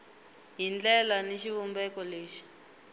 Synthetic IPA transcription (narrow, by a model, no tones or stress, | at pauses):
ɦind͡ɮɛlaneʃiβumbɛkɔleːʃi̥